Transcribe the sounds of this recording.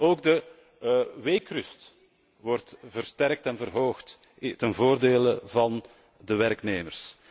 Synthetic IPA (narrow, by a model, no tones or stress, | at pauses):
oːɡdə | ʋeːkrʏst | ʋɔrtvərstɛrk̚tɛnvərɦoːxt | tənvoːrdeːləvɑn | dəʋɛɾkneːmərs